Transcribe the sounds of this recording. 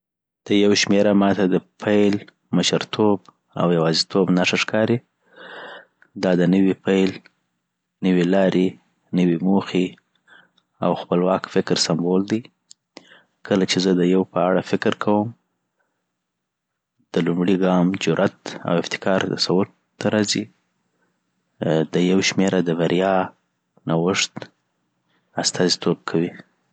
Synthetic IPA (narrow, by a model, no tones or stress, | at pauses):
d̪̥əjawʃmeɾamɑt̪ad̪əpʰajl | məʃəɾt̪ʰob | a̰wjawɑzit̪ʰobnaʂaʂkɑɾi | d̪ɑd̪ənəwipajl | nəwilɑɾʔe | nəwimoxi | a̰wxpəlwɑkfɪkɾsambold̪i | kəlat͡ʃezəd̪əjawpəaɽafɪkɾkʰawəm | d̪̥əlumɽiɡɑmd͡ʒʊɾʔat̪a̰wɪft̪ɪ̥kɑɾt̪asawʊɾ | t̪ːaɾɑzi | d̪əjawʃmeɾʔad̪əbaɾjɑ | nawəʂt̪ | ast̪ɑzit̪ob̚kʰawi